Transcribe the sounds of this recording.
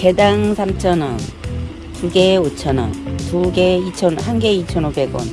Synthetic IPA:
ke̞daŋsʰamt͡ɕʰʌnʌ | tuɡe̞ot͡ɕʰʌnʌ̰tuɡeit͡ɕʰʌnhanɡe̞it͡ɕʰʌnobe̞ɡwʌ̰n

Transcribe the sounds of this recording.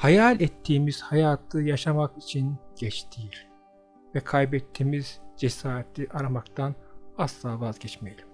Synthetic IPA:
hajalʲɛt̪ʰːiːmiz̥hajaːt̪ʰɯjaʃamakit͡ʃʰinɟ̥ɛt͡ʃt̪ʰijiɾ | vɛkʰajbɛt̪ʰːiːmiz̥d͡ʒɛsaːɾet̪ʰiʔaɾamakt̪ʰanaslˠaːvazɟɛt͡ʃmejlʲim

